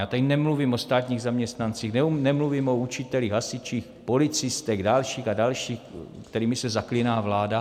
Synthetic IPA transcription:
jaːt̪anɛmluvimost̪aːt̪ɲiːɣzamɲɛst̪nant͡siːxnɛnɛmluvimout͡ʃɪt̪ɛliɣɦasɪt͡ʃiːxpo̞lɪt͡sɪst̪ɛɡdalʃiːxadalʃiːxkt̪ɛɾiːmɪsɛzaklɪnaːvlaːda

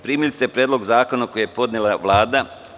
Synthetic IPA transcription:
pɾiːmilist̪epɾjeːd̪lo̞ɡzaːko̞nako̞jejepo̞d̪nelˠaʋlˠaːd̪a

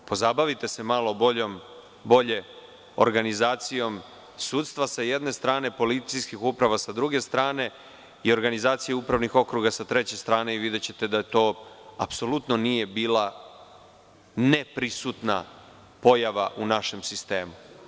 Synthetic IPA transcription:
po̞zabaʋit̪e̞se̞malˠoboom | bo̞ʎe̞ | o̰ɾɡanizaːt̪sijo̞m | suːt̪st̪ʋasaje̞d̪ne̞st̪ɾaːne̞po̞lit̪t̪ijskixupɾaʋasad̪ɾuɡe̞st̪ɾaːne̞ | io̞ɾɡanizaːt̪sijeupɾaʋnixo̞kɾuɡasat̪ɾe̞t͡ɕe̞st̪ɾaːne̞iʋid̪e̞t͡ɕe̞t̪e̞d̪ajet̪o̞ːapso̞lut̪no̞nije̞biːla | nepɾisut̪na̰ | po̞jaʋa̰ʔunaʃe̞msist̪e̞ːmu

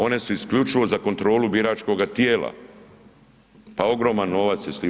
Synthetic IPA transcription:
o̞ne̞suiskʎut͡ʃiʋo̞zako̞nt̪ɾo̞ːlubiɾaːt͡ʃko̞ɡat̪jeːla̰ | pao̞ɡɾo̞manːo̞ʋat̪sjesli

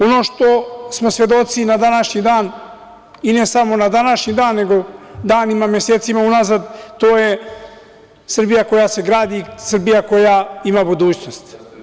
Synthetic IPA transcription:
o̞no̞ːʃt̪o̞smo̞svʋe̞d̪o̞t̪sinad̪anaʃɲid̪aːn | ine̞samo̞nad̪anaʃɲid̪aːnːeɡo̞d̪aːnimamje̞seːt̪simaunazad̪t̪oːje̞ | sr̩bijako̞jase̞ɡɾaːd̪isr̩bijako̞jaimabud̪uːt͡ɕno̞st̪

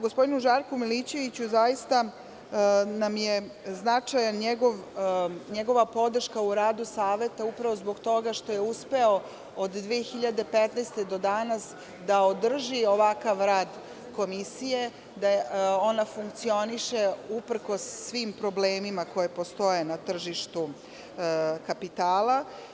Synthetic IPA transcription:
ɡo̞spod̪inuʒaɾkumilit͡ɕe̞ʋit͡ɕuzajist̪a | namjeznat͡ʂajanɲeɡo̞ʋɲeɡo̞ʋapo̞d̪r̩ʃkauɾaːd̪usaːʋe̞t̪aupɾaʋo̞zbo̞ɡt̪o̞ɡaʃt̪o̞je̞uspe̞o | od̪ːʋijexiʎad̪e̞pet̪nɛst̪ed̪o̞d̪anas | d̪aod̪r̩ʒio̞ʋakaʋɾaːd̪ | ko̞misije̞ | d̪aonafuŋk̚t̪sio̞niʃeupr̩ko̞sːʋimpɾo̞bleːmimako̞je̞po̞st̪o̞je̞nat̪r̩ʒiʃt̪u | kapit̪aːla

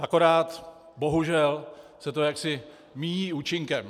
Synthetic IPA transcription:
ʔako̞ɾaːt̪ | bo̞ɦuʒɛlsɛt̪o̞jaksɪ | miːɲiːuːt͡ʃɪŋkɛm

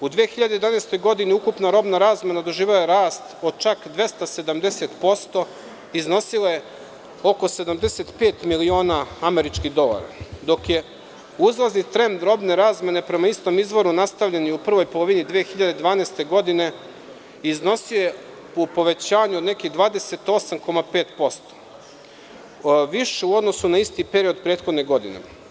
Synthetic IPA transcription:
ud̪ʋeːxiʎad̪ejed̪aneːst̪o̞jɡo̞d̪iniukupnaɾo̞bnaɾaːzme̞nad̪o̞ʒiːʋelajeɾaːst̪o̞d̪t͡ʃakd̪ʋe̞st̪ase̞d̪amd̪ese̞t̪po̞st̪o̞ | izno̞silaje̞ | o̞ko̞se̞d̪amd̪e̞set̪pe̞ːt̪milio̞ːnaame̞ɾit͡ʃkiɣd̪o̞lˠa̰ɾa̰d̪o̞kje̞ | uzlaznit̪ɾe̞nd̪d̪ɾo̞bne̞ɾaːzme̞ne̞pɾe̞maist̪o̞mizʋo̞ɾunast̪aʋʎeniupr̩ʋo̞jpo̞lˠoʋinid̪ʋeːxiʎad̪ed̪ʋaːnest̪e̞ɡo̞d̪ine̞ | izno̞sije | upo̞ʋe̞t͡ɕaːɲuod̪ne̞kiɣd̪ʋaːd̪e̞se̞t̪o̞samko̞mape̞ːt̪po̞st̪o̥ | ʋiʃeuo̞d̪no̞sunaist̪ipe̞ɾio̞d̪pɾe̞ːt̪xo̞d̪neɡo̞d̪ḭnḛ

